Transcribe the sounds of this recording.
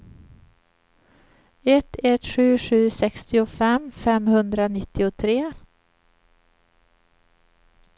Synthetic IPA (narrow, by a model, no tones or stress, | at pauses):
ɛt̪ʰːɛt̪ɧʉ̟ːɧʉ̟ːsɛkst̪ɪʊfɛmfɛmhɵnd̪ɾanɪt̪ːɪʊt̪ʰɾeː